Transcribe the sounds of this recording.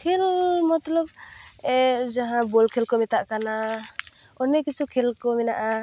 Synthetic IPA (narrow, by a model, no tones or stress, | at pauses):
kʰelmɔt̪lɔb̚ɛd͡ʒaɦãbɔlkʰilkɔmɛt̪aʔkana | ɔnɛkisʰukʰɛlkɔmɛnaʔa